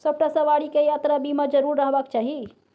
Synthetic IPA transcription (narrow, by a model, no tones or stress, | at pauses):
səb̚ʈasə̃ʋaɽikejat̪ɾabimed͡ʒəɾuɾːəɦbakt͡ʃaːɦi